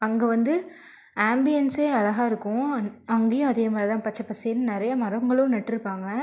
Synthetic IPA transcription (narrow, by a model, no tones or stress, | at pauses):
ɐŋɡeʋɐnd̪ɯ | aːmbɪjɛnseːɐɭɐɣaːɪɾɯkːʊ̃ɐŋɡeːjʊ̃ɐðeːɐmaːɾɐt̪ãːpɐt͡ʃːɐpːɐseːnːɯnɪɾɐjɐmɐɾɐŋɡɐɭ̃nɐʈːɪɾɯpːaːŋɡɐ